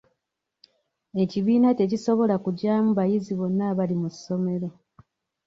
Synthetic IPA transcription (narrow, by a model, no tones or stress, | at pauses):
e̞ciβiːnate̞ciso̞βo̞lakuɟaːmuβajiziβo̞nːaːβalimuso̞me̞ɾo̞